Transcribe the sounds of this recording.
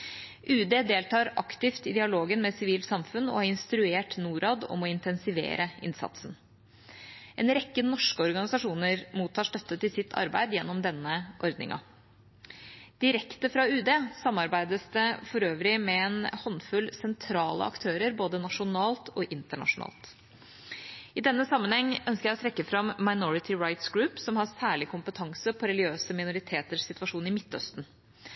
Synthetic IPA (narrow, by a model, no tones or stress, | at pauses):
ʔʉːd̪eːd̪eːlt̪ʰɑːɾɑkt̪ɪft̪ɪd̪ɪɑloːɡənmɛsɪʋiːlt̪sɑmfʉnːɔ̰ɑɾɪnst̪ɾʉeːʈnuːɾɑːd̪ɔ̰mɔɪnt̪ɛnsɪʋḛːɾʔəɪ̰nsɑ̰t̪sn̩ | ʔɛːnɾɛkːənɔʂkəɔɾɡɑnɪsɑʂuːnəɾmuːt̪ʰːɑːʂʈœt̪ːət̪ɪlsɪt̪ʰːɑ̰ɾbæ̰ɪd̪jɛnːɔmd̪ɛnːəʔɔɾd̪nɪ̰ŋʔɑ̰ | d̪̥ɪɾɛkt̪əfɾɑʉːd̪eːsɑmːɑɾbæɪd̪əsd̪əfɔɾøːʋɾɪmɛɛnhɔnːfʉlsɛnt̪ʰɾɑːlə̰ɑ̰kt̪ʰøːɾəɾboːd̪ənɑʂʊnɑːlt̪ʰɔʔɪnt̪əɳɑ̰ʂʊnɑ̰ːlt̪ | ɪd̪ɛnːəsɑmːənhɛŋːœnskəjæɪɔt̪ɾɛkːəfɾɑmːaɪnɔɹɪt̪ʰɪɹaɪt̪sɡɾʉːpsɔmhɑsæːɭɪkʰʊmpət̪ʰɑŋsəpʰɔɾɛlɡɪøːsəmɪnʊɾɪt̪ʰeːt̪əʂsɪt̪ʋɑʂuːnɪmɪt̪ːœ̰st̪n̩